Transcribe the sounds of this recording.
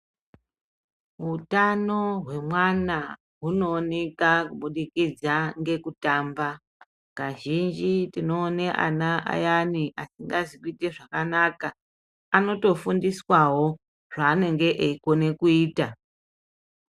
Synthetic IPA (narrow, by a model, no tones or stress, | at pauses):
ɦutano̞ɦwe̞mwana | ɦuno̞ːnekakuɓuɗikid͡zaŋɡe̞kutamba | kaʒind͡ʒitino̞ːneʔa̰naʔa̰janiʔasiŋɡazikuite̞ʐakanaka | ano̞to̞fundiswawo̞ | ʐ̥aːne̞ŋɡe̞ʔeiko̞ne̞kuiːta